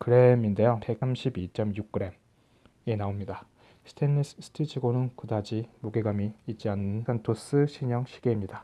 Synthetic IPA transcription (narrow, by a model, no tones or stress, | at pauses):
kɯɾe̞minde̞jope̞k̚samɕʰibit͡ɕ͈ʌmjuk̚k͈ɯɾe̞m | e̞naomɲida | sʰɯ̥tʰenːissʰɯ̥tʰid͡ʑʰiɡonɯnkɯdad͡ʑimoɡeɡamiːt͡ɕ͈ianːɯnsʰantʰos͈ɯɕʰiɲʌŋɕʰi̥ɡe̞imɲida